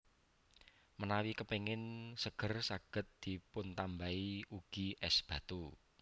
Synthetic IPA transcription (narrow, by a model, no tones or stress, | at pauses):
mənawikəpeŋɪnsəɡ̥ə̤rsaɡ̥ə̤t̪̚d̪̥i̤pʊnt̪ambaiuɡ̥iʔɛsb̥a̤t̪u